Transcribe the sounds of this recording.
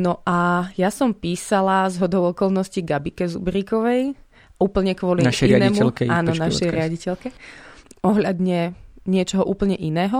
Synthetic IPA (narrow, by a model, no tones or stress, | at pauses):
nɔʔajasɔmpiːsalazɦɔd̪ɔʊɔkɔlnɔsciɡabikɛzṵbɾikɔʋɛj | uːpl̩ɲɛkʋɔliʃɛanɛːiːmuɛlkɛaːnɔnaʃɛjɾɪaɟicɛlkɛ | ɔɦlʎad̪ɲɛɲɪɛt͡ʃɔɦɔʔuːpl̩ɲɛʔinɛːɦɔ